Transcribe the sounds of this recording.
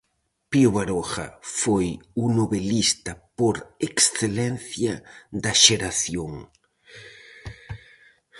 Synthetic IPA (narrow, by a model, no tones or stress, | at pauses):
pioβaɾoxa̰fojunoβelist̪apoɾeksθelenθjaðaʃeɾaθjoŋ